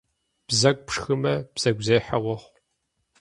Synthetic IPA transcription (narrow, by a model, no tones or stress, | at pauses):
b̥zɐkʷʼpʂxɨmɐb̥z̥ɐɡʷzejħɐwɔχʷ